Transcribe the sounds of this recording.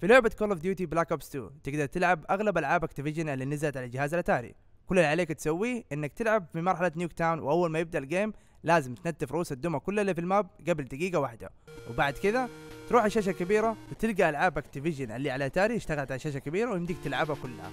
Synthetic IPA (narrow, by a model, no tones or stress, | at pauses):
filʊʕbat̪̚koːlofd̪juːt̪iblaːkabst̪ṵːt̪ɪɡd̪ɑɾˤt̪ɪlʕabʔaɣlabʔalʕaːbʔakt̪ɪvɪʒanalːiːnazalat̪ʕalald͡ʒɪhaːzalʔat̪aːɾḭ | kʊlːalʕaleːkt̪sawːiːʔɪnːak̚t̪ɪlʕabfimɑɾˤħalanjuːkt̪aːwnwʔawːalmaːjɪb̚d̪aʔlɡeːm | laːzɪmt̪nat̪ːɪfɾˤʔuːsad̪ːʊmakʊlːalːiːfilmaːb̚ɡabɪld̪aɡiːɡawaħd̪a̰wɪbaʕd̪kɪðat̪ɾuːħaʃaːʃ̬akabiːɾawɪt̪ɪlɡaʔalʕaːbʔakt̪ivɪʒanʔalːiːʕalaʔat̪aːɾiɪʃt̪aɣalʕat̪aʃaːʃ̬akabiːɾawjɪmd̪ɪɡ̚t̪ɪlʕabhakʊlːha̰